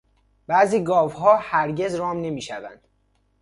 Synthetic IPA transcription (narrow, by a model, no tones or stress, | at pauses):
b̥æːziːɡɒːvɦɒːhæɾɟe̞zɾɒːmne̞miːʃævæ̰nd̪̥